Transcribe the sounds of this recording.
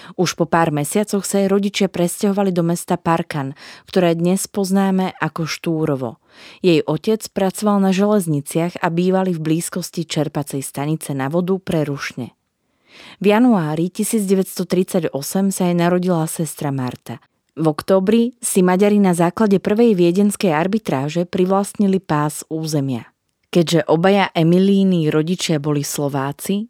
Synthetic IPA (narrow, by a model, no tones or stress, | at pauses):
uʃpɔpaːɾmɛsɪat͡sɔxsaːjɾɔɟit͡ʃɪapɾɛscaɦɔʋalid̪ɔmɛst̪apaɾkankt̪ɔɾɛːd̪ɲɛspɔznaːmɛʔakɔʃt̪uːɾɔʋɔ̰ | jɛjʔɔcɛt͡spɾat͡sɔʋalnaʒɛlɛzɲit͡sɪaɣabiːʋalivbliːskɔscit͡ʃɛɾpat͡sɛjst̪aɲit͡sɛnaʋɔd̪upɾɛɾuʃɲɛ̰ | vjanuaːɾicisiːd͡zɟɛʋɛst̪ɔt̪ɾit͡saɟɔsɛmsajɛnaɾɔɟilasɛst̪ɾamaɾt̪a | vɔkt̪ɔːbɾisimaɟaɾinazaːklaɟɛpr̩ʋɛjʋɪɛɟɛnskɛjaɾbit̪ɾaːʒɛpɾiʋlast̪ɲilipaːzuːzɛmɪa̰ | kɛɟʒɛʔɔbajaʔɛmiliːniɾɔɟit͡ʃɪabɔlislɔʋaːt͡si